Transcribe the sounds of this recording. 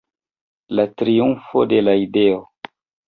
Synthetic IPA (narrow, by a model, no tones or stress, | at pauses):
latɾiunfode̞laideo